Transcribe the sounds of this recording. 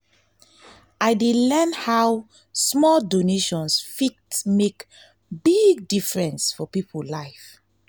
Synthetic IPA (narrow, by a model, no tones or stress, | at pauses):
ajdelɛnhaw | smɔldoneʃɔ̃nsfik̚tmek | biɡ̚difɹɛ̃nsfɔpipʰulaɪf